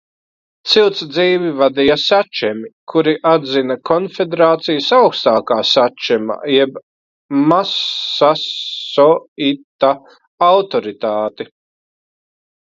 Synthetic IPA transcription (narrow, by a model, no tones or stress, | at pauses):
t̪siwt̪sd̪ziːvivad̪ijasat͡ʃɛmikʰuɾiʔad̪zinakʰɔnfed̪eɾaːt̪sijasawkst̪aːkaːsat͡ʃɛma̰ːjɛb | masasɔit̪ːa | awt̪ɔɾit̪aːt̪i